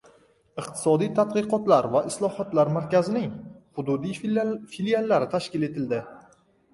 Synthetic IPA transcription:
ɪqt̪ʰɪ̥sɒd̪ijt̪ʰad̪qɨqɒt̪laɾvaɪslˠɒhɒt̪laɾmaɾkʲazɪnɪŋhʊd̪ʊd̪ifiljalːaɾɪt̪ʰaʃkʲɪle̞t̪ʰɪld̪ɪ

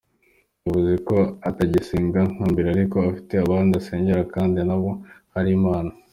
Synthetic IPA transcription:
uβuziko̞ataɟisiːŋɡaŋ̥huːmbiɾaːɾiko̞afi̥te̞aβaːndase̞ːɲɟe̞ɾakaːndinaβo̞haɾimaːna

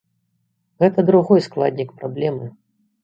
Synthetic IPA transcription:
ɣɛt̪ɐd̪ɾuɣɔjsklˠa̰d̪ʲnʲikpɾablʲɛmɨ

